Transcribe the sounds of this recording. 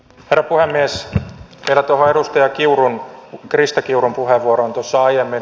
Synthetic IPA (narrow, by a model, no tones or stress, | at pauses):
herːɑpuhemːies | meilæt̪oɦoeɾust̪ɑjɑkiuɾunkrist̪ɑkiuɾumpuɦeʋːuoɾoont̪osːɑɑjemːi